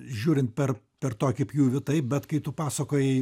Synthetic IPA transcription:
ʒʲuːɾʲɪnt̪̚pʲɛr | pʲɛrt̪oːkʲɐɪpjuːʋʲɪt̪ɐɪpbʲɛt̪kɐɪt̪ʊpɑːsɐkoːjɛ

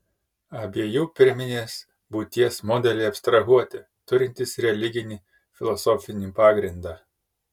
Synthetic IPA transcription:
ɐbʲiɛjuːpʲɪɾʲmʲɪnʲeːs | buːt̪ʲiɛsmoːd̪ʲɛlʲɛɪɐpʲst̪ɾɐɦuɔt̪ʲɪ | t̪ʊɾʲɪnʲt̪ʲɪsɾʲɛlʲɪɡʲɪnʲiː | fʲɪlˠɔsɔfʲɪnʲiːpɑːɡɾʲɪnd̪ɑː

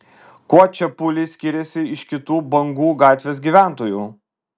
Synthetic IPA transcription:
koɔt͡ʃʲɛpʊlʲɪsʲkʲɪɾʲɛsʲɪɪʃkʲɪt̪uːbɐŋɡuːɡɑːt̪ʲʋʲeːs̬ɡʲiʋʲæˑnt̪oːjṵː

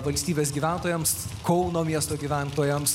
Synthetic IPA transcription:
ʋɐlʲsʲt̪ʲiːbʲeːs̬ɡʲiːʋʲænt̪oːjɛmskɔʊnoːmʲiɛst̪oːɡʲiːʋʲænt̪oːjɛms

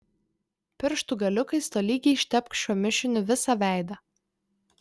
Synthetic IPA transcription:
pʲɪɾʃt̪ʊˑɡɐlʲʊkɐɪst̪oːlʲiːɡʲɛɪʃʲt̪ʲɛpkʃʲuɔmʲɪʃʲɪnʲʊʋʲɪsɐʋʲæˑɪd̪ɐ

